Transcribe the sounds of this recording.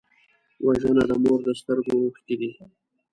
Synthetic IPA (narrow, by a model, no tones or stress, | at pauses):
waʒənad̪əmoɾd̪əst̪əɾɡooxkid̪i